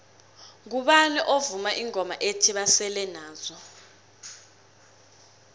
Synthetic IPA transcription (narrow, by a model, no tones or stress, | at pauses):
k̬uɓaniʔovumaʔiŋʱɔmaʔetʰiɓasɛlɛnaːzɔ